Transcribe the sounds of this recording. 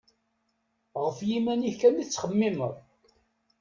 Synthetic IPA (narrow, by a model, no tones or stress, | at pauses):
ʁəfjimænikænit͡sːχəmːimə̰ðˤ